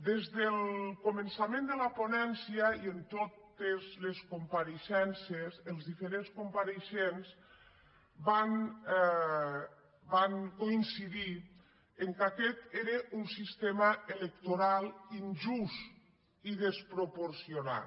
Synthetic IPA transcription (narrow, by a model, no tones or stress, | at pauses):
d̪ezðelkomənsamẽnd̪əlaponɛnsiəient̪ot̪ezleskumpaɾeʃɛnsesəlˠzðifeɾenskumpaɾeʃenz | ban | baŋkoinsiði | eŋkakɛt̪eɾeʔunsist̪emaelek̚t̪oɾalˠinʒust̪ | iðespɾopoɾsiona̰